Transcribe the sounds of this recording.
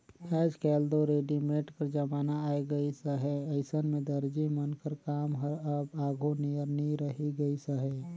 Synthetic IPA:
pʰɛːd͡ʒkɛːld̪oɾeːɖimeːʈkəɾd͡ʒəmaːnaaːiɡəisəɦɛəɪsənmẽd̪əɾd͡ʒimənkəɾkaːmɦəɾəbaːɡʱonijəɾniɾəɦiɡəisəɦɛ

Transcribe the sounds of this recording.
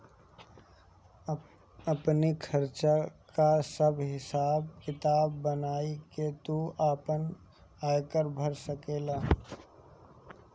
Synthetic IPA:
əpnikʰəɾt͡ʃakasəbɦɪsaːb̚kɪt̪aːbːənaːiket̪uaːpən | aːjkəɾbʱəɾsəkeːlaː

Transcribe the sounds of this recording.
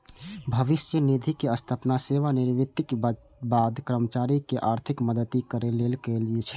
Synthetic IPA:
bʱəʋisjənid̪ʱikeəst̪ʰəpnaseʋaniɾʋit̪ːik | bad̪kɾəmət͡ʃaɾikeʔaɾt̪ʰikməd̪ət̪ikəɾelelkeliet͡ʃʰɛ̥

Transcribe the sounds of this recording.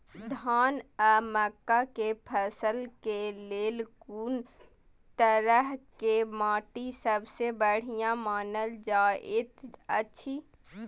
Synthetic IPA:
d̪ʱaːnəməkːakepʰəsəlkeleːlkuːn | t̪əɾəɦkemaːʈisəbsebəɽ̤ijãmaːnəld͡ʒaːʔɪt̪ətːʃʰi

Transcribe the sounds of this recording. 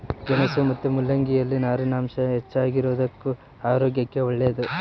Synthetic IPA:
ɡɛnɐsumɐt̪ːumulːɐŋɡijɐlːinaːɾinaːmʃɐɦet͡ʃːaːɡiɾoːd̪ɐkːu | aːɾoːɡjɐkːe̞ɔɭːed̪u

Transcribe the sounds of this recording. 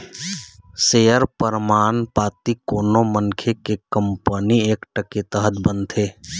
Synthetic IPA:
sejəɾpəɾmaːnpaːt̪ikoːnoməŋkʰekekəmpənieːkʈəket̪əɦət̪bənt̪ʰeː

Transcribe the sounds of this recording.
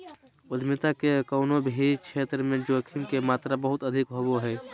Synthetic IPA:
ʊd̪ʱmɪt̪akekɔʊnobʱit͡ʃʰeːt̪ɾəmẽd͡ʒoːkʰɪŋkemaːt̪ɾabəɦʊt̪əd̪ʱɪkɦoboɦɛː

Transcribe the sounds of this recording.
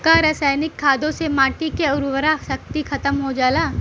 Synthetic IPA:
kaɾɐsaːnɪkʰːaːd̪õsemaːʈikeʊɾwəɾasɐk̚t̪ixʰɐt̪əmɦod͡ʒaːlaː

